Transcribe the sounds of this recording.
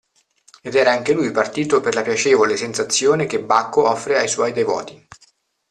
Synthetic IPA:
ed̪ɛːɾaaŋk̟elujpart̪iːt̪operlapjat͡ʃeːvolesensat̪sːjoːnek̟ebːakːoɔfːɾeajswɔjd̪evɔ̰ːt̪i̥

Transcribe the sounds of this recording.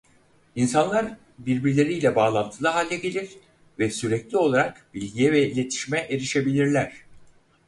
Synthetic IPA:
insanlˠaɾ | biɾbiɾlʲe̞ɾijlʲɛbaːlˠant̪ʰɯlˠɯɦalʲːɛɟe̞lʲiɾ̥ | vɛsyɾɛclʲio̞lˠaɾakbilʲɟijɛvɛilʲe̞t̪ʰi̥ʃmɛʔeɾiʃe̞bilʲiɾlʲæɾ̥

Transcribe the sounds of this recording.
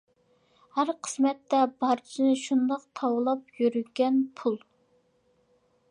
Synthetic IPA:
hæɾqʰə̥smɛt̪ːɛbɑɾt͡ʃʰinɪʃund̪ɑq̚t̪ʰɑwlˠɑpjøɾyɡʲɛnpʰulˠ

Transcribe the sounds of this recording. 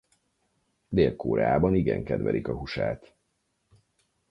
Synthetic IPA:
d̪eːlkoːɾɛaːbɒniɡɛŋkɛd̪ʋɛlikɒɦuʃaːt̪

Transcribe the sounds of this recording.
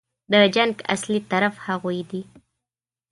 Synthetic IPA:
d̪əd͡ʒaŋɡa̰slit̪aɾafhaɣojd̪i

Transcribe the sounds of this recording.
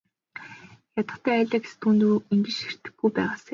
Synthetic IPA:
jat̪ə̆χt̪ʰæːæːɮʲaːɡe̥sɘ̥̆t̪ʰunt̪uiŋɡɘ̆ʃi̥r̥t̪ɘ̆ɡujpæːʁaːse

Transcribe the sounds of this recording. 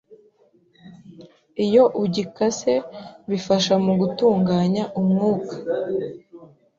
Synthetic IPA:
ijo̞ʔuɟikase̞βifaʃamuɡutuːŋɡaːɲaʔumŋuːkḁ

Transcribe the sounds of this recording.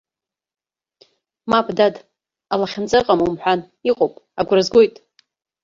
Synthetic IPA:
mapʰʼdad | alaχʲant͡sʼaqʼamumħʷᶣan | iqʼowpʼaɡʷrazɡʷo̞jtʼ

